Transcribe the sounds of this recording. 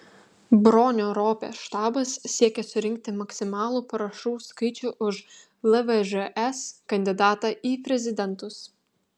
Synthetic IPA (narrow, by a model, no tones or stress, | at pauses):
bɾɔːnʲoːɾoːpʲḛːʃt̪ɑːbɐsːʲiɛkʲɛsʊɾʲɪŋʲk̚t̪ʲɪmɐksʲɪmɑːlˠuːpɐɾɐʃuːskɐɪt͡ʃʲʊːʔʊʃ | lˠɐʋɛʒɛʔɛskɐnʲd̪ʲɪd̪ɑːt̪ɑːʔiːpʲɾʲɛzʲɪd̪ʲɛnt̪ʊs